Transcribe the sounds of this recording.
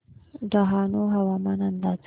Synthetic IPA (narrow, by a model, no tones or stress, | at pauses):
ɖaɦɑnoɦawamanand̪ɑt͡s